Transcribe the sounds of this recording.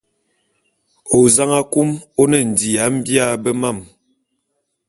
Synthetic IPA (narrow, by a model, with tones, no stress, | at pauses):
o˨za˦ŋa˦ku˦mo˦nɛ˨n̩˨di˨a˨˦m̩˦bja˦˨bə˦ma˦˨m